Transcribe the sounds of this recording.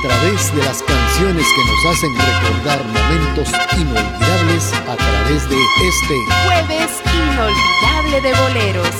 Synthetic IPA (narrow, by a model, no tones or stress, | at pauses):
t̪ɾaβezðe̞laskansjo̞neskeno̞sase̞nrekoɾðaɾmo̞mẽnt̪o̞sinolβiðaβle̞sat̪ɾa̰βezðeest̪exweβesinːolβiðaβle̞ðe̞βo̞leɾos